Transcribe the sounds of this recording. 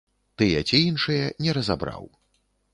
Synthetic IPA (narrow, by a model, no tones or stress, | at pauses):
t̪ɨjɛ̰t͡sʲiinʂɨjɛnʲɛɾɐzabɾa̰w